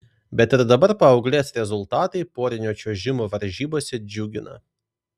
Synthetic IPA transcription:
bʲɛt̪ɪɾd̪ɐbɐɾpɐɒʊɡlʲeːsɾʲɛzʊlˠt̪ɑːt̪ɐɪpoːɾʲɪnʲoːt͡ʃʲoːʒʲɪmoːʋɐɾʲʒʲiːboːsʲɛd͡ʒʲʊɡʲɪnɐ̰

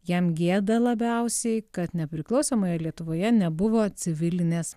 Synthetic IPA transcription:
jɛmɡʲeːd̪ɐlˠɐbʲɛʊsʲɛɪkɐt̪nʲɛpʲɾʲɪklˠɒʊsoːmoːjɛlʲiɛt̪ʊʋoːjɛnʲɛbʊʋoːt͡s̪ʲɪʋʲɪlʲɪnʲeːs

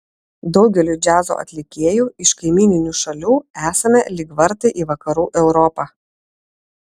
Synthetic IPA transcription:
d̪ɒʊɡʲɛlʲuˑd͡ʒʲæːzo̰ːʔɐ̰t̪ʲlʲɪkʲeːjuːɪʃkɐɪmʲiːnʲɪnʲuːʃɐlʲuːæːsɐmʲɛlʲɪɡʋɐɾt̪ɐɪʔiːʋɐkɐɾuːʔɛʊɾɔpɑː

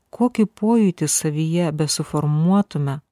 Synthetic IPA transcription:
koːkʲɪpoːjʊt̪ʲɪsɐʋʲijɛbʲɛsʊfɔɾmuɔt̪ʊmʲɛ

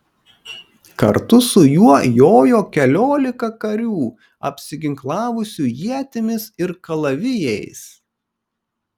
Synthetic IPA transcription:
kɐɾt̪ʊsʊjuɔjoːjoːkʲɛlʲoːlʲɪkɐkɐɾʲuː | ɐ̰pʲsʲɪɡʲɪŋklˠɑːʋʊsʲuːjiɛt̪ʲɪmʲɪsɪɾkɐlˠɐʋʲɪjɛɪs

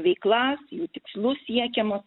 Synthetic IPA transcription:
ʋʲɛɪklˠɑːsjuːt̪ʲɪkslˠʊssʲiɛkʲɛmo

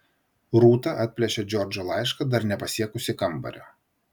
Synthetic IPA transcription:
ɾuːt̪ɐʔɐˑt̪ʲpʲlʲɛʃʲɛd͡ʒʲɔɾʲd͡ʒʲolˠɑɪʃkɐd̪ɐɾnʲɛpɐsʲiɛkʊsʲɪkɐmbɐ̰ɾʲoː

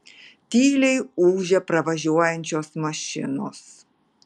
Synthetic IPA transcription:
t̪ʲiːlʲɛɪuːʒʲɛpɾɐʋɐʒʲuɔjɛnʲt͡ʃʲoːsmɐʃʲɪ̰no̰ːs

